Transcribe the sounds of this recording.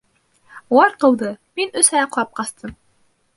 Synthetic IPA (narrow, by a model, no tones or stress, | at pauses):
uwɑɾqɤ̆lˠd̪ɤminɵshææq̆ˠɑp̚qɑst̪ʰɤm